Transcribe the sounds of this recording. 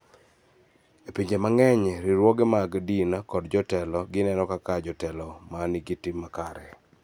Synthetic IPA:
epiɲd͡ʒemaŋɛɲɾiɾwɔɡɛmaɡdinakɔdd͡ʒɔtɛlɔɡɪnɛnɔkakad͡ʒɔtɛlɔmaniɡitɪmːakaɾɛ̰

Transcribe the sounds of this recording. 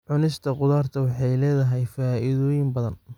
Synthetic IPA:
ʕʊnɪst̪ʰɐqʊðaːrt̪ʰɐwɑħɑjlɛːðɐɦɛjfaːʔɪðɔːjɪmbɐðɐn

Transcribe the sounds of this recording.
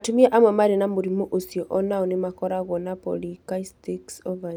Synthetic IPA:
tumiaʔamwɛmaɾenamoɾimɔʔosiɔʔɔnaɔnemakɔɾaɣwɔnapɔ̰likaistiksɔva

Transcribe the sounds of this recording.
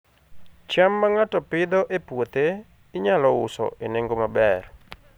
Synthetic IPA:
t͡ʃamːaŋatɔpɪd̪ɔʔepwot̪e | ɪɲalɔʊsɔ̰ʔeneŋɡomabɛr

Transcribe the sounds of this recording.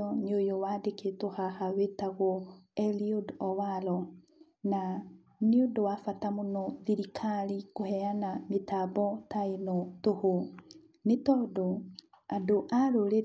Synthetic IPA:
ɔneojowadeketohahawetaɣwɔɛliodɔwaɾɔ | na | neondowafatamonɔðiɾikʰaɾikohɛanametabɔtainotoho | netɔːdo | adoʔaɾoɾe

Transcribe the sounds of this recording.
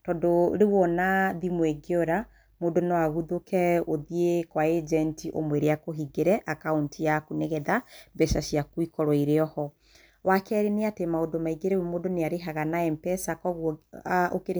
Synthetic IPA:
tɔndɔ̰ɾewɔnaðimweɡeɔɾa | modonawaɣuðokɛoðiekwaed͡ʒɛntiʔo̰mweɾeakoɦiɡeɾɛʔakauntiakunɛɣɛðabɛʃaʃiakwikɔɾɔiɾeɔhɔ | wakɛɾeneatemaodomaiɡeɾewmoːdoneaɾeɦaɣanaɛmpɛsakɔɣ | o̰keɾ

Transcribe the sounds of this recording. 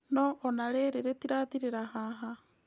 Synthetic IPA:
nɔʔɔnaɾeɾeɾetiɾaðiɾeɾaɦaːɦa

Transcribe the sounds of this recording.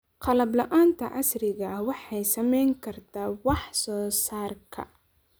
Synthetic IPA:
qɑlɐblɐʔaːnt̪ʰɐʔɑsrɪɣɐwɑħɑjsɐmɛjŋkʰɐrt̪ʰaːwɑħsɔːsaːrkʰɐ̰

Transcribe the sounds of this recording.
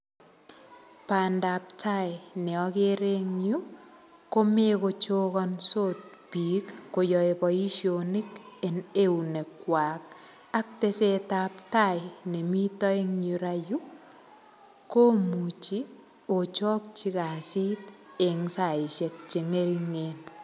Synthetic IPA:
paːndap̚tʰajnɛɔkeɾeŋɲu | komekot͡ʃoːkɔnsot̚ | piːkːojɔepɔiʃjonikeneunekwaːk̚ | ak̚tesetaptajnemitɔeŋɲuɾaju | komut͡ʃi | ot͡ʃɔːk̚t͡ʃikasit̚eŋsaiʃet̚t͡ʃeŋeɾiŋen

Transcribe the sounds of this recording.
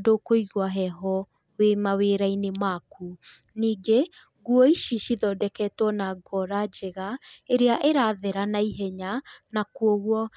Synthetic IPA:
dokoiɣwaɦɛɦɔ | wemaweːɾainemaku | niːɡe | ɣuɔiʃiʃiðɔdɛkɛtwɔnaɡɔɾad͡ʒeɣaeɾeaʔeɾaðeɾanaiɦɛɲanakuoɣwɔ

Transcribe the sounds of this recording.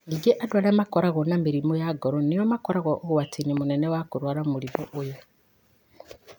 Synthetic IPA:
ŋiɡeʔadwalemakoɾaɣɔnamiɾimojaɡoɾonijomakoɾaɣɔʔːɣwatʰinimunenewakuɾwaːɾamulimoʔojo

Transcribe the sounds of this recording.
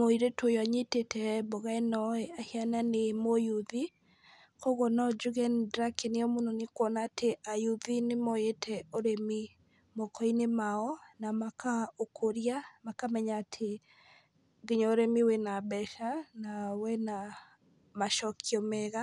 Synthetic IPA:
moiɾetwojwaɲetetɛboɣaenɔɛahiananemojuði | koɣɔnɔd͡ʒuɣɛndɾakeneɔmononekwɔnaːtʰeʔajuðinemoetʰɛoɾemi | mokɔinemaɔnamakaokʰoɾiamakamɛɲaːtʰe | ɣeɲɔoɾɛmiwɛnabɛʃanawɛna | maʃɔkʰiɔmɛɣa

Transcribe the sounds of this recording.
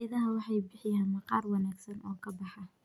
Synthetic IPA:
ɐðɐɦɐwɑħɑjbɪħɪjaːnmɐqɑːrwɑnaːɡsɐnʔɔːkʰɐbɑħɑ

